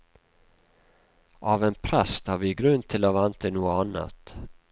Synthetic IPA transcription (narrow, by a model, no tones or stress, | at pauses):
ʔavɛnpʰɾɛst̪haɾvɪɡɾɵnd̪̚t̪ʰɪlavant̪ʰɪnuːʊanːa̰t̪